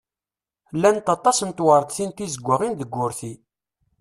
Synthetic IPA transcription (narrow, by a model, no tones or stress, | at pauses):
lːænt̪ɑt̪ˤɑsnt̪wəɾˤəd̪θint̪izəɡʷːəʁind̪əɡʷːʊɾθi